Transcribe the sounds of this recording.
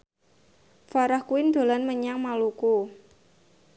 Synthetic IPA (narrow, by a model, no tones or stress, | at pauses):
faɾahkuɪnd̪̥o̤lanməɲaŋmaluku